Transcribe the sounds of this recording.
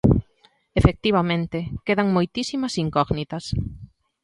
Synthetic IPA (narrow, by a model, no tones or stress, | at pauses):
efek̚t̪iβ̞ɐmẽnt̪ɪkeðɐŋmojt̪isimɐsiŋkɔɣnit̪ɐs